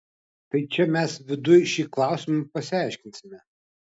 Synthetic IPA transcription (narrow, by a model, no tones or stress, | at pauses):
t̪ɐɪt͡ʃʲɛmʲɛsʋʲɪd̪ʊjʃʲiːklˠɑˑʊsʲɪmɐpɐsʲɪæˑɪʃʲkʲɪnʲsʲɪmʲɛ